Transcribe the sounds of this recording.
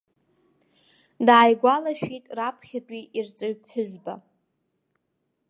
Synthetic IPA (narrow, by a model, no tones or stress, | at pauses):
daːjɡʷalaʃᶣitʼrapʰχʲatʼiirt͡sʼɨɥpʰħʊzba̰